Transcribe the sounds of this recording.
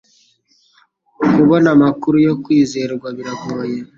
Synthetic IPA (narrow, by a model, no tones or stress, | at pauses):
kuβo̞namakuɾujo̞kwiːze̞ɾɾɡwaβiɾaɡoːje